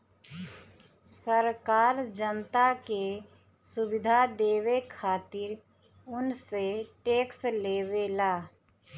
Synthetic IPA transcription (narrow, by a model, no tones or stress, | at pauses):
səɾkaːɾd͡ʒənt̪ake | sʊwɪd̪ʱad̪eːʋekʰaːt̪ɪɾ | ʊnseʈeːksleːʋelaː